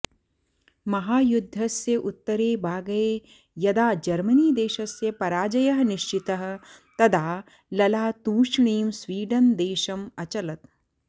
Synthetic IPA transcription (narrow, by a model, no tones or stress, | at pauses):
mɐɦaːjud̪ʱːɐsːeʔut̪ːɐɾeːbaːɡɐje | jɐd̪aːd͡ʒɐɾmɐniːd̪eːʃɐsːepɐɾaːd͡ʒɐjɐɦɐniʃt͡ʃit̪ɐɦɐ̆t̪ɐd̪ʱaː | lɐlaːt̪uːʃɳiːmsʋiːɖɐnd̪eːʃɐmɐt͡ʃɐlɐt̪